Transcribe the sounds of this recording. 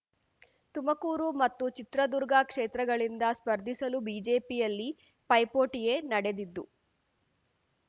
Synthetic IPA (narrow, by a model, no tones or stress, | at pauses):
t̪umɐkuːɾumɐt̪ːut͡ʃit̪ɾɐd̪uɾɡɐkʂeːt̪ɾɐɡɐɭind̪ɐspɐɾd̪ʱisɐlubiːd͡ʒe̞ːpijɐlːi | pɐjpoːʈije̞nɐɽe̞d̪id̪ːṵ